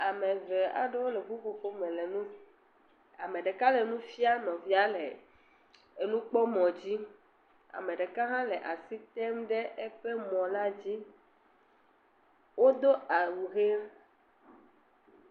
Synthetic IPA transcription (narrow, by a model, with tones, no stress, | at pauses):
a˨me˨ve˨a̰˨ɖe˦wo˦le˨vu˦vo˨fo˦mẽ˨le˨nũ˦ | a˨mẽ˨ɖe˨ka˦le˨nũ˦fi˦a˦nɔ̃˨vi˦a˦le˨ | e˨nũ˦k͡pɔ˦mɔ̃˨d͡ʑi˦ | a̰˨mẽ˨ɖe˨ka˦ɦã˦le˨ʔa˨si˦t̪ɛ˦mɖe˦ʔe˦ɸe˦mɔ̃˨la˦d͡ʑi˦ | wo˦d̪o˦a˨wu˨ɣe˦